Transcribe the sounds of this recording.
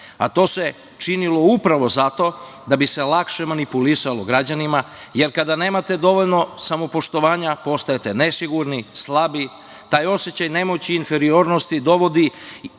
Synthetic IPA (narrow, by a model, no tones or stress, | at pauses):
a̰t̪o̞ːse̞ | t͡ʃinilo̞upɾaʋo̞zat̪o̞d̪abise̞lˠakʃe̞manipulisaloɡɾad͡ʑanimaje̞ɾkad̪ane̞ːmat̪e̞d̪o̞ʋo̞ʎno̞samo̞po̞ʃt̪o̞ʋaːɲapo̞st̪ajet̪e̞ne̞siɡuɾnislˠabi | t̪aːjo̞sjet͡ɕajne̞mot͡ɕiːnfeɾio̞ːɾno̞st̪id̪o̞ʋo̞d̪i